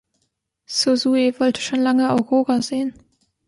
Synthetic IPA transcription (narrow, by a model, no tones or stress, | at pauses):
sozuevɔltʰə̥ʃoːnlaŋəaʊʁoːʁazeːən